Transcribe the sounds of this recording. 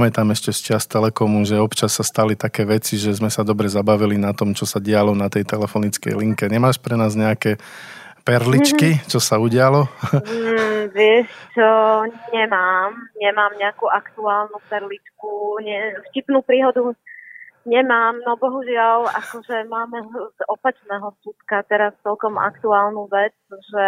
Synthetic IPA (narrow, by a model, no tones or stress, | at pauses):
mɛt̪aːmɛʃcɛst͡ʃɪast̪ɛlɛkɔmuʒɛɔpt͡ʃasːast̪alit̪akɛːʋɛt͡siʒɛzmɛsad̪ɔbɾɛzabaʋilinat̪ɔmt͡ʃɔsaɟɪalɔnat̪ɛjt̪ɛlɛfɔnit͡skɛ̰jliŋkɛɲɛmaːʃpɾɛnaːzɲɛakɛ | pɛɾlit͡ʃkit͡ʃɔsauɟɪalɔ | ʋɪɛʃt͡ʃɔɲɛmaːmɲɛmaːmɲɛakuːʔakt̪uaːlnupɛɾlit͡ʃkuɲɛfcipnuːpɾiːɦɔd̪u | ɲɛmaːmnɔbɔɦuʒɪalakɔʒɛmaːmzɔpat͡ʃnɛːɦɔskut̪kat̪ɛɾast͡sɛlkɔma̰kt̪uaːlnuʋɛt͡sʒɛ